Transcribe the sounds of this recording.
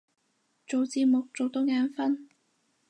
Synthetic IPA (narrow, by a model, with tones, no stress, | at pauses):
t͡so˨wt͡siː˧p̚mʊ˨k̚t͡so˨wt̪o˥ŋaː˨˧˥nfɐ˥n